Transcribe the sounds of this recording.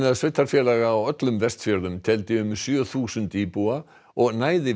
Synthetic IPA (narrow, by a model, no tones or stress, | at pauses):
naðsvɪt̪ːaɾ̥fjɛlaɣaːwœt̪lʏmvɛst̪fjœɾðʏmt̪ʰɛlt̪ɪʏmsjœːθuːsʏnt̪iːpua | ɔɣnaːjðɪ